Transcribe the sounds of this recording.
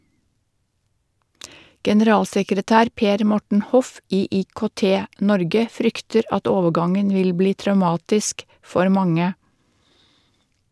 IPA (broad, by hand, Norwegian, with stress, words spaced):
ɡɛnəˈɾɑːlsɛkɾəˌtæːɾ ˈpeːɾ ˈmɔʈɳ̩ ˈhɔf ˈiː iːkoːˈteːˌnɔɾɡə ˈfɾʏktəɾ ˈɑt ˈoːʋəˌɡɑŋən ˈʋɪl ˈbliː tɾɑʉˈmɑːtɪsk ˈfɔɾ ˈmɑŋə